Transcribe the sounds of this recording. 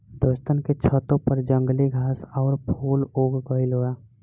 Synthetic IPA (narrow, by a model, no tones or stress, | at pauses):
d̪ost̪ənket͡ʃʰət̪õpəɾd͡ʒə̃ŋɡliɡʱaːsɔːɾpʰoːloːɡɡəiloːaː